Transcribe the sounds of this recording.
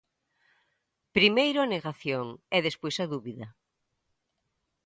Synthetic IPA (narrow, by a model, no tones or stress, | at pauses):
pɾimejɾʊaneɣaθjoŋɛðespojsɐðuβiðɐ